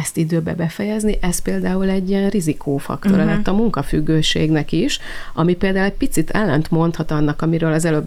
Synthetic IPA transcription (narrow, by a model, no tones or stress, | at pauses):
ɛst̪id̪øːbɛ̰bɛfɛjɛzniʔɛspeːld̪aːulɛɟːiɛnrizikʰoːfɒ̰kt̪o̞ɾɒlɛt̪ːɒmuŋkɒfyɡːøːʃḛːɡnɛkiʃ | ɒmipeːld̪aːulɛc̚pit̪sit̪ʰɛlːɛnt̪mo̞nt̪hɒt̪ɒnːɒkɒmiɾøːlɒzɛløːb